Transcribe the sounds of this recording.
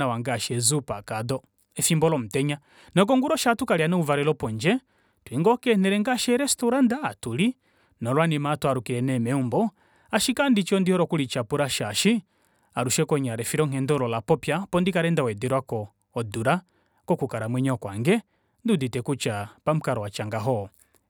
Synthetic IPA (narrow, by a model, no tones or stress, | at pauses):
awaŋɡaʃɛzupakadɔ | ɛfimbɔlɔm̩tɛɲa | nɔk̬ɔŋɡuɾɔʃatukaɾianɛuvaɾɛlɔpɔnd͡ʒɛ | twiŋɡɔkɛnɛɾɛŋɡaʃɛɾɛstɔɾandaːtuli | nɔlwanimatuaɾukiɾɛnɛmɛumbɔ | aʃikandit͡ʃɔndihɔɾɔkulit͡ʃapuɾaʃaʃi | aɾuʃɛkɔɲaɾɛfiɾɔŋ̥ɛndɔlɔlapɔpjapɔndikaɾɛndawɛdɛɾwakɔː | duɾa | kɔkukaɾamwɛɲɔkwaŋɡɛ | nduditɛkut͡ʃapam̩kaɾɔwat͡ʃaŋɡaɦɔ